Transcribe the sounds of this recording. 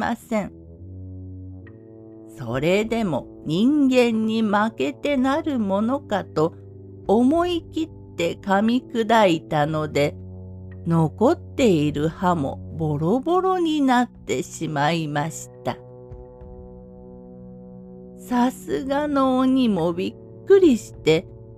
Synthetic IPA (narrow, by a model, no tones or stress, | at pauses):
a̰sẽ̞ | so̞̰ɾe̞d̪e̞mo̞ | ɲ̟ĩŋɡẽ̞ɲ̟ːimake̞t̪e̞naɾɯ̟mo̞no̞kat̪o̞ː | mo̞ikʲit̪ːe̞kamʲikɯ̟d̪ait̪ano̞d̪e̞ | no̞ko̞t̪ːe̞iɾɯ̟hamo̞̰bo̞ɾo̞bo̞ɾo̞ɲ̟inat̪ːe̞ɕimaimaɕi̥t̪a | sasɨɡanoːɲ̟imo̞bʲikkːɯ̟ɾʲiɕi̥t̪e̞